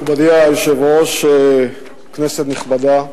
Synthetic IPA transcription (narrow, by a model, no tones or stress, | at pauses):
bad̪iajeʃevoʃe | kneset̪niχbad̪a